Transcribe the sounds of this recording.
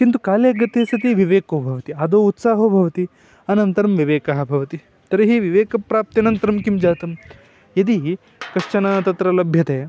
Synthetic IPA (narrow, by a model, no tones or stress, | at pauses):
kint̪ukaːleːɡɐt̪eːsɐt̪iʋiʋeːkoːbʱɐʋɐt̪iɐd̪oːut̪saːɦɐːbʱɐʋɐt̪i | ɐnɐnt̪ɐɾɐmʋiʋeːkɐɦɐ̆bʱɐʋɐt̪i | t̪ɐɾɐɦiʋiʋeːkɐpɾaːp̚t̪iɐnɐnt̪ɐɾɐmkimd͡ʒaːt̪ɐm | jɐd̪i | kɐʂt͡ʃɐnɐt̪ɐt̪ɾɐlɐbʱjɐt̪eː